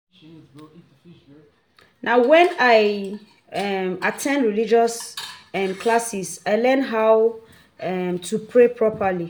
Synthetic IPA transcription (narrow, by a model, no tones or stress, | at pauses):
naʊwɛ̃naɪ | ɛmatʰɛ̃ndɹilid͡ʒɔsɛ̃mkʰlasisaɪlɛ̃nɦaw | ɛmtʰupʰɹepʰɹɔpʰali